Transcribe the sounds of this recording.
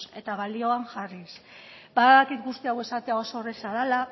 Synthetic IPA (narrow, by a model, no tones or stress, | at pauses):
se̞t̪aβalio̞aŋʝarisbaððakit̪ɡust̪iawe̞sat̪eao̞so̞ːresaðala